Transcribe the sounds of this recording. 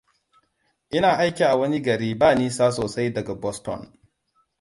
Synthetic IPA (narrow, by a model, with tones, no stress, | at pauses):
ʔɪ˦naː˨ʔa˦jkʲiː˨ʔa˨wɐ˦ni˦ɡɐ˨ɽiː˦baː˦niː˦saː˦soː˨sa˦jdɐ˨ɡa˨bɔ˦stɔ̰˦˨n